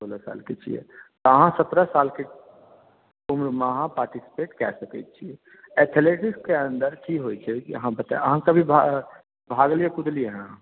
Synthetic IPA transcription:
soːlasa̰ːlket͡ʃʰḭḛt̪ɔəɦãsɐt̪ɾasaːlke | ʊmɾmaɦãpaːɾʈisi̥peːʈkɛ̰səkɛ̰t͡ʃʰie | ɛt̪ʰeleːʈɪskeə̃nd̪əɾʈʰikɦoit͡ʃʰɛkiəɦãbət̪a̰eəɦãkɐbʱibʱ | bʱaːɡliekʊd̪lieɦɛ̃

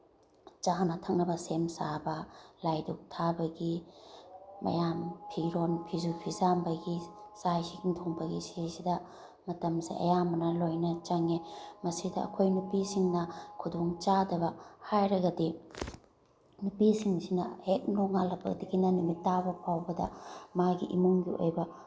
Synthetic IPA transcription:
t͡ʃanɐtʰɐŋnɐbɐsemsabɐlajdok̚tʰabɐɡiː | ɐ̰jampʰiɾonpʰizupʰizambɐɡisajsikiŋtʰoŋbɐɡisisidɐ | mɐtɐmsḭʔɐ̰jamɐnɐlojnɐt͡ʃɐŋemɐsidɐɐ̰kʰojnupisiŋnɐkʰudoŋt͡ʃadɐbɐhajɾɐɡɐdi | nupisiŋsinɐhek̚noŋalɐbɐ̰ɡɐdiɡinɐnumitːabɐpʰawbɐdɐ̰maɡḭʔḭmuŋɡio̰jbɐ

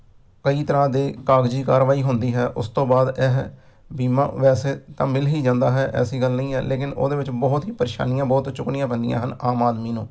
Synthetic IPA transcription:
kəiːt̪əɾãːd̪eːkaːɡd͡ʒiːkaːɾʋaːiːɦʊnd̪iːɦɛːʔʊ̰st̪õːbaːd̪ɛɦ | biːmã̰ːʋɛːseːt̪ãːmɪlɦiːd͡ʒãːnd̪aːɦɛːʔɛ̰ːsiːɡəlnə̃ĩːɦɛ̰ːleːk̬ɪno̰ːd̪eːʋɪt͡ʃbɔːʊt̪ɦiːpəɾeːʃa̰ːnɪjãːbɔːt̪t͡ʃʊknɪjãːbənd̪ɪjã̰ːɦənaːmaːd̪miːnṵ̃ː

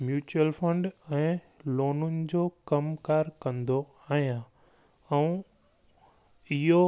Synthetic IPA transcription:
mjuːt͡ɕuəlfə̃ɳɖɛ̃ː | loːnʊnɪ̆d͡ʑoːkɐmkaːɾkɐ̃nd̪o | aːɦijã | ɛ̃ũ | ɪɦo

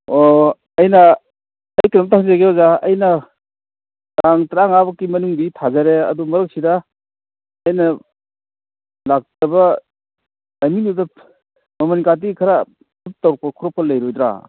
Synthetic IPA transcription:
o | ɐjnɐː | jknamtʰaŋzaɡeozaɐjnɐ | taŋtɾaŋabɐkimɐnuŋbitʰazaɾeɐ̰dumɐɾɯk̚sida | ɐjnɐ | lak̚tɐbɐ | lajminudɐ | mɐmankat̬ikʰɐɾa | tup̚tɐwɾk̚pɐkʰuɾɔpɐlɐjɾojdɾa̰

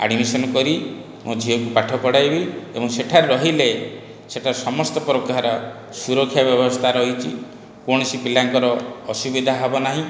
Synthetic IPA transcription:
a̰ɽmisɔnɔkɔɾi | mod͡ʒʱiɔkupaʈʰɔpɔɽajbiebɔŋseʈʰaɾɾɔɦile | seʈʰasɔmɔst̪ɔpɾɔkaɾɔ | suɾɔkʰːjabjɔbɔst̪ʰaɾɔɦit͡ʃʰḭ | koɽ̃ɔsipilaŋkɔɾɔːsubid̪ʱaɦɔbɔnaɦĩ

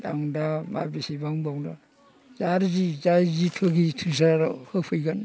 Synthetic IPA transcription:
da̰ŋdama̰bisibaŋbawŋda | zaɾzizaɾzitʰɯɡitʰɯzaɾhɯpʰɯjɡan

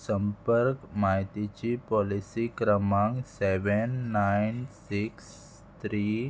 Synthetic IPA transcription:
səmpəɾkmajt̪it͡ɕipɔlisikɾəmaŋsɛʋɛnːajnsiks | t̪ɾi

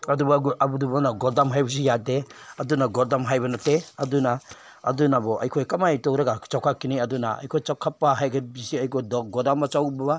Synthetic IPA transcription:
ɐdubɔɡʔabudubɔnaɡɔɾdamɦajbɔs̬ijadeɐdunaɡɔɾdamɦajbɐnateɐduna̰ː | dunabɔʔɐ̰jkʰɔjkɐmajtɔkɾɐɡat͡ʃawkʰakːiniɐdunaɐ̰jkʰojt͡ʃawkʰapːaɦajɡabisiɐjkʰɔjdɔk̚ɡɔdamːat͡ʃawbba

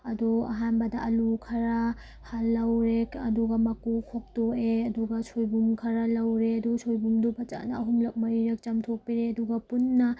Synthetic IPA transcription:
ɐduɐ̰ɦanbɐdɐʔɐlukʰɐɾa | halːɐwɾekɐ̰duɡɐmɐkukʰok̚toeɐduɡɐsʰojbumkʰɐɾɐlɐwɾeɐdusʰojbumdubʰʱɐt͡ʃa̰nɐːɦumlɐk̚mɐɾiɾek̚t͡ʃɐmtʰok̚piɾeɐduɡɐpunːɐ

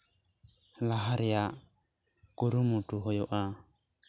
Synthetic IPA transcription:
laɦaɾɪa | kʼʊɾumutʼuɦɔjɔʔa

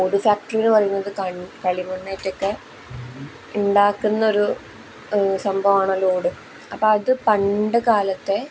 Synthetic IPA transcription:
oːɽɨfjaːk̚ʈɐrinːɨʋɐrɐjunːɐðɨkɐkɐɭimunːeːtːokːe | uɳɖaːkːunːɐo̞ɾu | sɐmbʱɐʋaːɳɐloːɽɨ | ɐpːoːɐðɨpɐɳɖɨkaːlɐt̪ːe̞

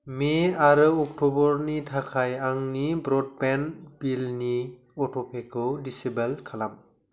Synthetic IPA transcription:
meaɾɯɔk̚tʰɔbɔɾnitʰakʰajaŋnibɾɔd̚penb̥ilni | ɔtʰɔpʰekʰɯdisibelkʰalam

